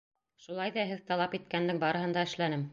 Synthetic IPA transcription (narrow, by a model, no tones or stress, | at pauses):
ʃulˠɑjðɑɦɘðt̪ɑlˠɑpit̪̚kænd̪ɘŋbɑɾɤ̆ɦɤ̆nd̪ɑɘ̆ʃlænɘm